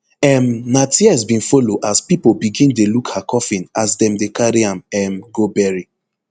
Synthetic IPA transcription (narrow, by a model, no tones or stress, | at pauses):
ɛmnatiɛs̬bĩnfoloʔaspipobiɡĩndelukhakʰɔfĩnasdɛ̃mdekaɾiãmɛmɡobɛɹi